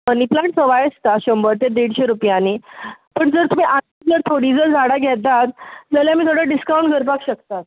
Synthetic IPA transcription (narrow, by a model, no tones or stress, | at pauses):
ənip̪laʈsəʋajəst̪aɕəmbəɾt̪ed̪eɽɕeɾupjanipəɳd͡zəɾt̪um̤iʔan | d͡zəɾt̪ʰoɽiːd͡zəɾd͡zʱaɽaɡʱɛt̪at̪̚d͡zəljamiːt̪ʰoɽaɖiskaw̃ɳʈɡʱəɾpakɕəkt̪at̪̚